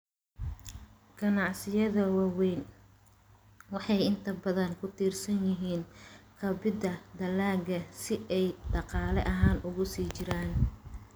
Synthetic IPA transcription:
ɡ̥ɐnɑʕsɪjɐðɐwɑːwɛjn | wɑħɑjɪnt̪ʰɐbɐðɐŋkʰʊt̪ʰiːrsɐnjɪɦiːnkʰɐbɪd̪ɐd̪ɐlaːɡɐsɪʔɛjɖɑqɑːlɛʔɐɦaːnʔʊɣʊsiːt͡ʃɪɾaːn

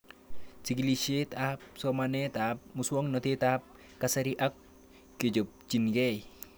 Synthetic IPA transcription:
siɡliset̪ap̚somanet̪ap̚muswɔŋnɔt̪et̪ap̚ | kasaɾiʔak̚ː | ed͡ʒop̚t͡ʃinɡej

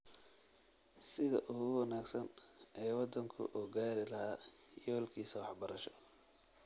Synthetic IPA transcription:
sɪðɐ̰ʔʊɣʊwɑnaːɡsɐnɛːwɑd̪ɐŋkʰʊ̰ʔɔːɡaːɾɪlɐɦaː | jɔːlkʰiːsɐwɑħbɐɾɐʃɔ̥

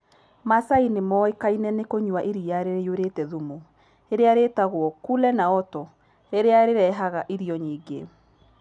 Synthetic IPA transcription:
masainemɔekainɛnekoɲwaʔiɾiaɾeɾejoɾetɛðumo | eɾeaɾetaɣwɔkulɛnaɔtɔ | eɾeaɾeɾɛɦaɣaʔiɾiɔɲiːɡḛ

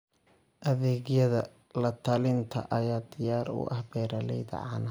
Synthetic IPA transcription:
ʔɐðɛːɣjɐðɐ | lɐt̪ʰɐlɪnt̪ʰɐ̰ʔɐjaːd̪ɪjaːɾʊ̰ʔɐ̰hbɛːɾɐlɛjðɐ̰ʕɑ̰nɐ

